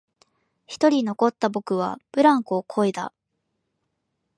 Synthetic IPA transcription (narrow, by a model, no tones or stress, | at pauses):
çi̥t̪o̞ɾʲino̞ko̞t̪ːabo̞kɯ̟β̞a̰b̥ɯ̟ɾãŋkokʰo̞id̪a̰